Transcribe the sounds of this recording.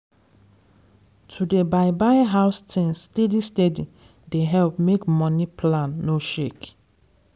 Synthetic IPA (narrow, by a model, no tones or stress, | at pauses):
tʰudebaɪbaɪɦaʊstʰĩnsstedistedi | deɦɛlp̚mekmɔnipʰlãnːoʃek